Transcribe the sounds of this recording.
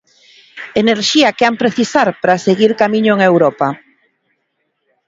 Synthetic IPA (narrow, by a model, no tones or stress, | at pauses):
eneɾʃiɐkeampɾeθisaɾpɾaseɣiɾkamiɲʊeŋewɾɔpa